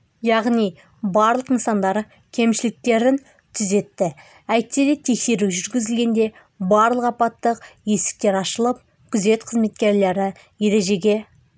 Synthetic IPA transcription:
jɑʁnij | bɑɾlˠəqənsɑnd̪ɑɾə | kʲʰe̞mʃɪlɪk̚t̪e̞ɾɪn | t̪ʰʏze̞t̪ːɪ | æjp̚t̪ːed̪et̪ʰe̞kse̞ɾuʒʏɾɡʲɪzɪlɡʲe̞nd̪e̞ | bɑɾlˠəqɑpɑt̪ːəqje̞sɪ̥k̚t̪e̞ɾɑʃəlˠəp̚ | kʲʰʏze̞t̪qʰəzme̞t̪kʲe̞ɾle̞ɾɪ | je̞ɾe̞ʒe̞ɡʲe̞

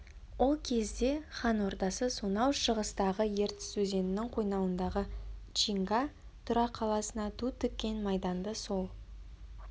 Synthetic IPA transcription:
wo̞lˠkʲʰe̞zd̪e̞χɑnwo̞ɾt̪ɑsəsunɑwʃəʁəst̪ɑʁəje̞ɾt̪ɪ̥sɵze̞nɪnɪŋqʰo̞jnɑwənd̪ɑʁət͡ʃiŋɡa | t̪ʰʊɾɑqʰːɑlˠɑsənɑt̪ʰut̪ʰʏk̚ʲːe̞nmɑjd̪ɑnd̪əso̞lˠ

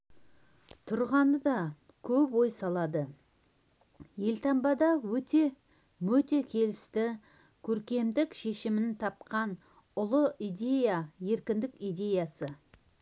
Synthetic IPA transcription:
t̪ʰʊɾʁɑnəd̪ɑ | kʲʰɵpwo̞jsɑlˠɑd̪ə | je̞lt̪ʰɑmbɑd̪ɑwɵt̪e̞ | mɵt̪e̞kʲʰe̞lɪst̪ɪ | kʲʰɵɾkʲe̞md̪ɪkʃe̞ʃɪmɪnt̪ʰɑp̚qɑn | ʊlˠəijd̪ʲe̞jaje̞ɾkʲɪnd̪ɪkʲijd̪ʲe̞jɑsə

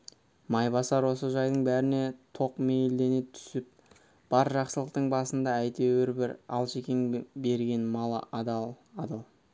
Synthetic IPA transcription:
mɑjbɑsɑɾwo̞səʒɑjd̪əɴbæɾɪne̞t̪ʰo̞qme̞jld̪e̞ne̞t̪ʰʏ̥sɪp̚ | b̥ɑɾʒɑqsəlˠəqt̪əɴbɑsənd̪ɑæjt̪e̞wɪɾbɪɾɑ̰lˠʃekʲeŋbe̞ɾɡʲe̞nmɑlˠə̰ʔɑd̪ɑlˠ | ɑd̪ɑlˠ

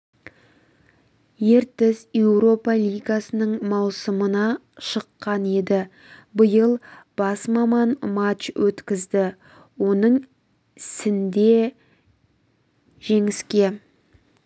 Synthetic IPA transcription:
je̞ɾt̪ɪzje̞wɾo̞pɑlʲˠijɡasənəɴmɑwsəmənɑ | ʃəqːɑne̞d̪ɪ | bəjəlˠb̥ɑsmɑmɑnmat͡ʃwʔɵt̪kʲɪzd̪ɪ | wo̞nəɴ | ɪsɪnd̪e̞ | ʒ̥e̞ŋɪskʲe̞

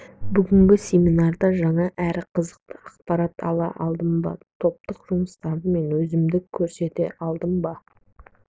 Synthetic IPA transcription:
bʏɡʲɪŋɡʲɪsʲe̞mʲinɑɾd̪ɑʒɑɴɑʔæɾɪqʰəzəq̚t̪əɑqpɑɾɑt̪ʰɑ̰lˠɑ̰ʔɑlˠd̪əmbɑ̰t̪ʰo̞p̚t̪əqʒʊməst̪ɑnd̪əme̞nwɵzɪmd̪ɪkʲʰːɵɾse̞t̪e̞̰ʔɑlˠd̪əmbɑ

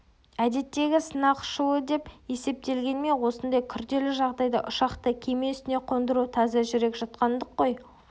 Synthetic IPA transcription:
æd̪e̞t̪ːe̞ɡʲɪsənɑqʃəwəd̪e̞pe̞se̞p̚t̪e̞lɡʲe̞nme̞nwo̞sənd̪ɑjkʲʰʏɾd̪e̞lɪʒɑʁd̪ɑjd̪əʔʊʃɑqt̪əkʲʰe̞me̞ʏst̪ɪne̞qʰo̞nd̪əɾut̪ʰɑzɑʒʏɾe̞kʲʒɑt̪̚qɑnd̪əqːo̞j

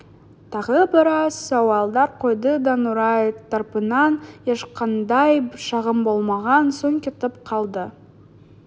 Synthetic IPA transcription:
t̪ʰɑʁəbɪɾɑsːɑwɑlˠd̪ɑɾqʰo̞jd̪əd̪ɑnuɾɑjt̪ʰɑɾpənɑnje̞ʃqɑnd̪ɑjʃɑʁəmbo̞lˠmɑʁɑnsoŋkʲʰet̪ɪp̚qʰɑlˠd̪ə

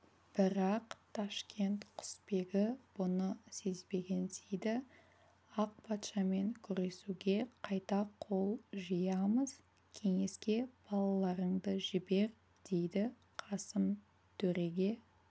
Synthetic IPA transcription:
b̥ɪɾɑqt̪ʰɑʃkʲe̞nt̪qʰʊ̥spe̞ɡʲɪb̥ʊnəsezbe̞ɡʲe̞nsejd̪ɪ | ɑq̚pʰɑt̪ʃɑme̞ŋkʲʰʏɾe̞suɡʲe̞qʰɑjt̪ɑqʰo̞lˠʒəjɑməz | kʲʰe̞ŋe̞skʲe̞b̥ɑlˠɑlˠɑɾəɴd̪əʒɪbe̞ɾ | d̪̥e̞jd̪ɪ | qʰɑsəm | t̪ʰɵɾe̞ɡʲe̞

